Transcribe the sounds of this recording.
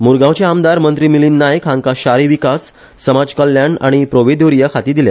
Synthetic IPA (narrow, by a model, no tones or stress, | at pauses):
muɾɡãwt͡ɕeamd̪aɾmənt̪ɾiːmiliːnːajkʰãŋkaɕaɾiʋikasː | əmad͡zkəljana̰ɽ̃ipɾoʋed̪oɾijəkʰat̪iːd̪ilja̰